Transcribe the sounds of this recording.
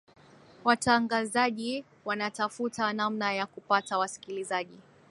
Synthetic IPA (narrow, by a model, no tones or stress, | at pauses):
wataŋɡazaʄi | wanatafutanamnajakupatawasi̥kilizaʄi